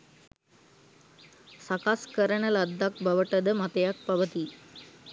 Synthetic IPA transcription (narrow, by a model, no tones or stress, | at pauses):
sɐkaskəɾəɳɐlɐd̪ːak̚bʱɐʋəʈəd̪əmɐt̪ɐjak̚pɐʋət̪i